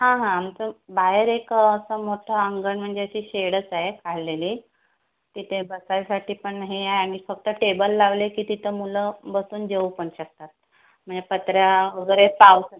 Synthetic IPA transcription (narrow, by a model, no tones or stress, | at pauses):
ɦãɦãːmt͡səbaɦeɾekːsəmoʈʰəəŋɡəɳm̤əɳd͡zeəɕiːɕeɽət͡saɦekʰaɭleliː | t̪it̪ʰebəsajasaʈiːpəɳɦeajaɽ̃ifək̚t̪əʈebəlːaʋlekiːt̪it̪ʰəmuləbəsuːnd͡ʑeupəɳɕək̚t̪at̪̚ | m̤əɳd͡zepət̪ɾjaʋəɡəɾepaws